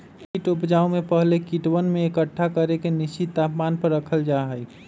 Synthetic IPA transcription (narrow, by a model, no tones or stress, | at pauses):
kiʈupd͡ʒaumepəɦlekiʈʋənmeekəʈʰːakəɾekeniʃit̪apmanpəɾːəkʰəld͡ʒaɦəj